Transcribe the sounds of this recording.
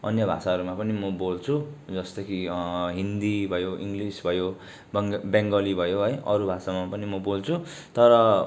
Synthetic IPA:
ʌnjʌbʱa̰saʌɾumapʌnimʌbolt͡sʰud͡zʌst̪ʌkiɦind̪ibʱʌjoʔiŋɡlisbʱʌjo | baŋɡʌlibʱʌjoɦʌjʌɾubʱasamapʌnimʌbolt͡sʰu | t̪ʌɾʌ

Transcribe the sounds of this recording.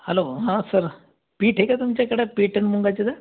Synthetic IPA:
həloɦãsəɾ | piːʈʰɦekat̪umt͡ɕjakəɽapiːʈəɳmuŋɡat͡ɕid̪a

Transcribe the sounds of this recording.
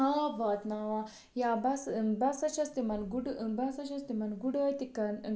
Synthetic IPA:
ɦaːbaːt̪naːʋa | jaːbɐsbɐsɐt͡ʃɐst̪imɐnɡuɖbɐsɐt͡ʃɐst̪imɐnɡuɽɐt̪ikɐn

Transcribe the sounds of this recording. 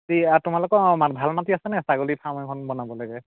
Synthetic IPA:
tiatʊmalokɔmanbʱalmatiasɛnɛsaɡolipʰamakʰɔnbɔnabɔlaɡɛ

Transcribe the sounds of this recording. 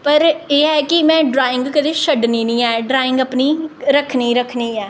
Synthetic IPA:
pəɾeːɛːkɪmɛ̃ːɖɾaːɪ̃ŋɡkəd̪eːʃəɖniːnĩːɛːɖɾaːɪ̃ŋɡəpniːɾəkʰniːɾəkʰniːɛː

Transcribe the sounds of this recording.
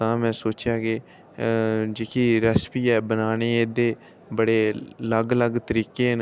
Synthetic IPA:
t̪ãːmɛ̃ːsoːt͡ʃjaːkɪ | d͡ʒeːkʰiːɾəspiːɛːbənaːneːeːd̪eː | bəɽeːləɡləɡt̪əɾiːkeːn

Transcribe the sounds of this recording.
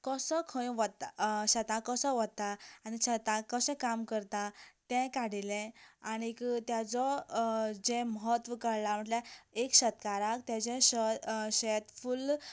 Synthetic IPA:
kəsɔkʰə̃jʋət̪aɕət̪ãkəsɔʋəd̪̚t̪aañiɕət̪ãkəsɛ̃kamkəɾt̪at̪ɛ̃kaɽilɛ̃aɽ̃ikt̪jat͡sɔ | d͡ʑɛ̃məɦət̪ʋəkəɾlam̤əɳʈlaekɕət̪kaɾakt̪jad͡ʑɛ̃ɕəɕɛt̪ful

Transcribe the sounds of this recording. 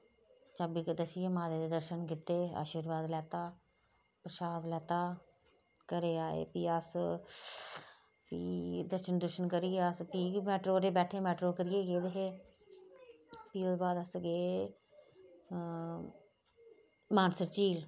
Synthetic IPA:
t͡ʃabiːd̪əsɪjeːmaːd̪eːd̪eːd̪əɾʃənkɪt̪ːeːa̰ːʃiːɾʋaːd̪lɛːt̪aː | pɾəʃaːd̪lɛːt̪aː | kəɾeːaːḛːpiːəs | pḭːd̪əɾʃənd̪əɾʃənkəɾieəspiːmɛːʈɾoːɾeːbɛːʈʰeːmɛːʈɾoːkəɾɪjeːɡeːd̪eɦeː | piːoːd̪baːd̪əsɡeː | maːnsəɾt͡ʃiːl

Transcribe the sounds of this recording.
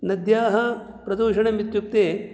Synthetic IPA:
nɐd̪jaːɦɐ | pɾɐd̪uːʂɐɳɐmit̪juk̚t̪eː

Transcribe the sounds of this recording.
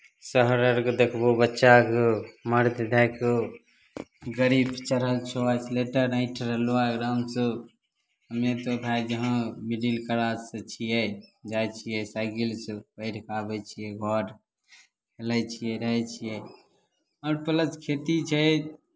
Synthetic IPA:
səɦɾəɾɡd̪ekʰbobətːʃakoməɾd̪d̪ʱəko | ɡəɾibt͡ʃəɾəlt͡ʃʰoat͡ʃʰleʈəɾãɪ̃ʈʰɾəloaɡɾaːmsə | ɦəmet̪ot̪ʰajd͡ʒəɦãmiɖilkəɾasət͡ʃʰijɛd͡ʒajt͡ʃʰijɛsaɡilsəpəɪʈkabɛt͡ʃʰijɛɡʱɔɾ | kʰelət͡ʃʰijɛɾəɦɛt͡ʃʰijɛ | ɔːɾpələt͡ʃkʰet̪it͡ʃʰɛ

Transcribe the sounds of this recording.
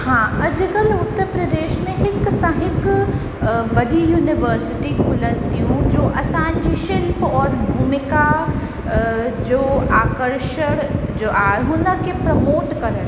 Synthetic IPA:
hãːɐd͡ʒɡəlʊt̪ːəɾpɾəd̪eːʃmẽɦɪksɐ̃ɦɪk | ʋɐd̪ijuːnɪʋəɾsɪʈikʰʊlənt̪iũd͡ʒoːʔɐsaːnd͡ʒiʃɪlpɔːɾbʱuːmɪka | d͡ʒoːaːkəɾʃəɽd͡ʒoːʔaːɾɦũːnd̪akepɾɐmoːt̪kɐɾət̪

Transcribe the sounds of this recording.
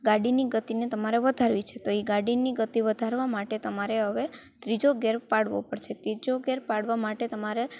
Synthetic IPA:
ɡaɽiniɡət̪inet̪əmaɾeʋəd̪ʱaɾʋit͡ʃʰet̪oiɡaɽiniɡət̪iʋəd̪ʱaɾʋamaʈet̪əmaɾeɦəʋe | t̪ɾid͡ʒoɡeɾpaɽʋo̰pəɽt͡ʃʰet̪ɾid͡ʒoɡeɾpaɽʋamaʈet̪əmaɾe

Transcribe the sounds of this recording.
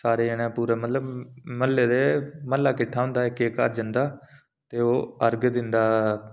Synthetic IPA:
saːɾeːənɛ̃ːpuːɾɛːmət̪ləbməlːeːd̪eːməlːaːkɪʈʰaːõːnd̪aːɪkeːkə̰ɾd͡ʒənd̪aː | t̪eːoːəɾɡd̪ɪnd̪aː

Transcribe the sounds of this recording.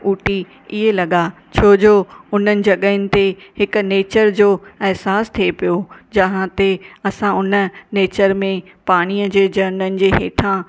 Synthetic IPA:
uːʈi | ɪɦelɐɠa | t͡ɕʰoːd͡ʑoːʊn̤ənɪ̆d͡ʑɐɠəɪnɪ̆t̪ehɪkneːt͡ɕəɾd͡ʑoːɛɦsaːst̪ʰiepijod͡ʑɐɦãt̪eɐsãʊnə̆neːt͡ɕəɾmẽ | paːɽ̃iːəd͡ʑeːd͡ʑɐnənɪ̆d͡ʑeːɦḛːʈʰã

